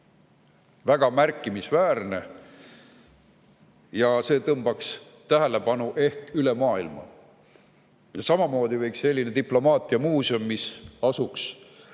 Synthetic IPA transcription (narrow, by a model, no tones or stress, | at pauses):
væɡ̥ɑmærkˑːimisvæːrne̞ | jɑse̞ːt̪ɤmb̥ɑks | t̪æɦælepɑnuʔe̞hkyle̞mɑːilmɑ̰ | jɑsɑmɑmo̞ːd̪ive̞jksːe̞lʲːined̪iplo̞mɑːt̪ˑiɑmuːsio̞mːisɑsuks